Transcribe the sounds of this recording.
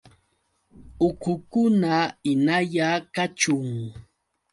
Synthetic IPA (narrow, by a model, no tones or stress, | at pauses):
ʊkʊkʊnaɪnaʎakat͡ʃʊŋ